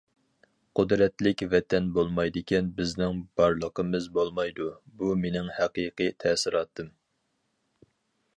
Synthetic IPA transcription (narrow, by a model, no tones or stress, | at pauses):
qʰʊd̪ɾɛt̪lɪkʲvɛt̪ʰɛnbolˠmɑjd̪ɪkʲʰɛnbɪznɪŋb̥ɑɾlˠəqʰəmɨzbolˠmɑjd̪ubumenɪŋhæqiːqɨjt̪ʰɛsɪɾɑːt̪ʰːɨm